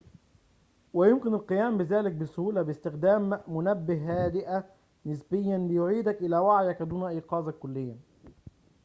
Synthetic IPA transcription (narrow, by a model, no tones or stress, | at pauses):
wajʊmkɪnalqɨjæːmbɪðæːlɪk̚bɪsʊhuːlabɪst̪ɪxd̪æːmːʊnabːɪɦːæːd̪ɪʔa | nɪsbɪjːanbɪjʊʕiːd̪akʔɪlæːwaʕjækd̪uːnaʔiːqɑːzɑkːʊlːɪjːa